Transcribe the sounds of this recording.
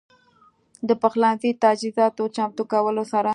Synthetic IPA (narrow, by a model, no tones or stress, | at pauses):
d̪əpəxlɑnzit̪ad͡ʒizɑt̪ot͡ʃamt̪okawəlosaɾa